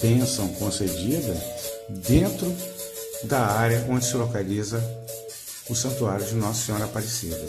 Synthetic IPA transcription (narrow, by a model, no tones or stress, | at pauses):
bẽsɐ̃w̃kõsed͡ʒid̪ɐd̪ẽnt̪ɾʊ | d̪ɐaɾjɐʔõnd͡ʒɪsɪlokalizɐ | ʊsɐ̃nt̪uaɾjʊd͡ʒɪnɔssẽɲɔ̃ɾɐapaɾesid̪ɐ